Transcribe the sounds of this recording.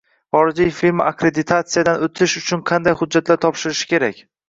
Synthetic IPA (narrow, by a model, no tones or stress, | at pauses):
χɒɾɪd͡ʒɪjʲfilmakɾed̪ɪt̪ʰat̪sijad̪anot̪ʰɪʃʊt͡ʃʰʊnqʰɑnd̪ajhʊd͡ʒːat̪laɾt̪ʰɒpʃɪɾɪʃɪ̥kʲe̞ɾakʲ